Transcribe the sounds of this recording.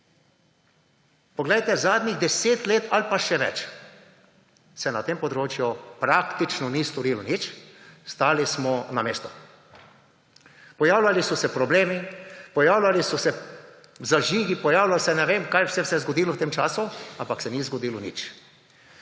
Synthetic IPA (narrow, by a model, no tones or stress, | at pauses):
pɔɡlɛjt̪ɛzaːd̪niɣd̪ɛseːt̪leːt̪ʰalpaʃɛʋɛ̰t͡ʃ | sɛnat̪eːmpɔd̪ɾoːt͡ʃjupɾakt̪it͡ʃnɔnist̪ɔɾilɔnit͡ʃst̪aːlismɔnameːst̪ɔ | pɔjaːwlʲjalisɔsɛpɾɔbleːmipɔjaːwlʲjalisɔsɛ | zaʒiːɡipɔjaːwlʲasɛnɛʋeːmkajwsɛwsɛzɡɔd̪iːlɔwt̪eːmt͡ʃaːsuampaksɛnizɡɔd̪iːlɔnḭt͡ʃ